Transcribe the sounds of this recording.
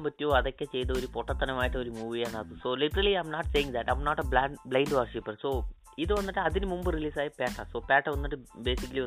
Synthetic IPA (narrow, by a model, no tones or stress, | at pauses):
mbɐtːioɐðokʲːet͡ɕe̞jt̪ɐoɾupoʈːɐt̪ːɐnɐmaːjiʈːɐo̞ɾumuːʋijaːɳaːðɨso̞ːliʈɐɾɐliajmnaːʈsejiŋd̪ɐʈːajmnoːʈɐbɭablɐjnɖʋɐrʂipːɐrso̞ː | iðɨʋɐnːiʈːɨɐðinɨmumbɨriliːsaːjɐpaːʈːɐso̞ːpaːʈːɐʋɐnːiʈːɨbeːsikːɐliʋɐn